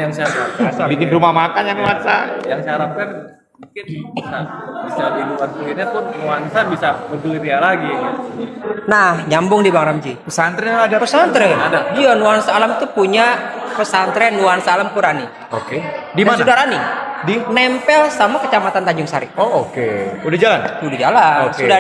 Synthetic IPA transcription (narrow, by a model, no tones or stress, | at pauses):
jaŋsaaabit̪ɪŋɾumamakanjaŋuansajaŋsaɾap̚kan | mukɪnbisabisadilukank̪uitɲat̪ʊnuansabisabəd̪uiɾialaɡi | nahɲambʊŋdibaŋɾamd͡ʒipəsant̪ɾɛadapəsant̪ɾɛadadianuansaːlamit̪upuɲapəsant̪ɾɛnuansaalamkuɾani | okedimasudaɾanidinɛmpɛlsamakət͡ʃamat̪ant̪aɲd͡ʒʊŋsaɾiookeudahd͡ʒalanudahd͡ʒalaoksuda